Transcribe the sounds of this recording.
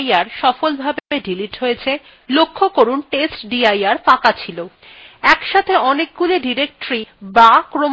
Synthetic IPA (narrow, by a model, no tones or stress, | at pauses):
aɾʃɔfolbʱabbeɖiliʈɦojet͡ɕʰe | lokʰːokoɾunʈesʈɖiajaɾt̪ãkat͡ɕʰilo | ɛkʃat̪ʰeɔnek̚ɡuleɖiɾek̚ʈɾibakɾom